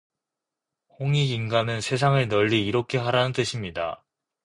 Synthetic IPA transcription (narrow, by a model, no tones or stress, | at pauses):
hoŋiɡinɡanɯnsʰe̞sʰaŋɯɭnʌʎːiːɾʌkʰe̞ɦaɾanɯnt͈ɯɕʰimɲida̰